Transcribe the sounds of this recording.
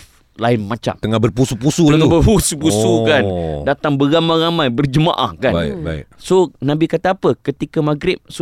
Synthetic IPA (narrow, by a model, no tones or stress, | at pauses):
laɪnmãt͡ʃa̰mt̪əŋahbərpusupusuəŋabərpusupusukandat̪aŋbəɾamajramãjbərd͡ʒəma̰ʔa̰hkaaba̰sonãbikat̪aapəkət̪ikamaɡɾɪp̚so